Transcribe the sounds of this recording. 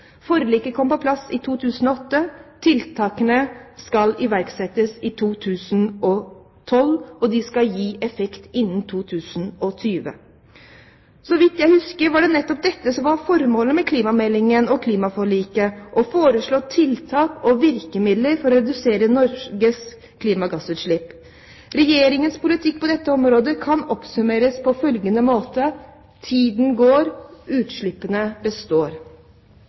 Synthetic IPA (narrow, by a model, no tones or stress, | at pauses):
fɔɾəliːkəkʰɔmːpɔpʰlɑsːɪt̪ʰuːt̪ʰʉːsənɔɔt̪ːət̪ʰɪlt̪ʰɑːkənəskɑlɪʋæɾɡsɛt̪ːəsɪt̪ʰuːt̪ʰʉːsənɔ | t̪ʰɔlɔd̪ɪskɑljiːʔɛfɛkt̪ɪnːən̩t̪ʰuːt̪ʰʉːsənɔt̪ʰyːʋə̰ | sɔʋɪt̪jæɪhʉskəɾʋɑɖɛnɛt̪ːɔp̚d̪ɛt̪ːəsɔmʋɑɾfɔɾmoːləmɛkʰliːmɑmɛlːɪŋənɔkʰliːmɑfɔɭiːkəʔɔfoːɾəʂɭoːt̪ʰɪlt̪ʰɑːkɔʋɪɾkəmɪd̪ləɾfɔɾɔɾɛd̪ʉseːɾənɔɾɡəs | kʰliːmɑɡɑsʉːt̪ʂɭɪpː | ɾɛjeːɾɪŋənspʊlɪt̪ʰɪk̚ːpʰɔd̪ɛt̪ːəɔmɾoːd̪əkʰɑnɔpsʉmeːɾəspʰɔfœlɡənəmoːt̪ə | t̪ʰiːd̪n̩ɡoːɾʉːt̪ʂɭɪpːənəbəst̪oːɾ